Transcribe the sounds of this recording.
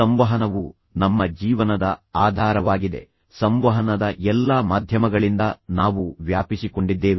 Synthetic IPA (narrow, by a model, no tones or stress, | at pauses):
ɐmʋɐɦɐnɐʋu | nɐmːɐd͡ʒiːʋɐnɐd̪ɐaːd̪ʱaːɾɐʋaːɡid̪e̞̰ | sɐmʋɐɦɐnɐd̪ɐʔɛlːamaːd̪ʱjɐmɐɡɐɭind̪ɐnaːʋuʋjaːpisiko̞ɳɖid̪ːeːʋe